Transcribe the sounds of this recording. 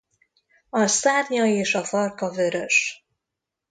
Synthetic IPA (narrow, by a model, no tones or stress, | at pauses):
ɒsaːrɲɒeːʃɒfɒrkɒvøɾøʃ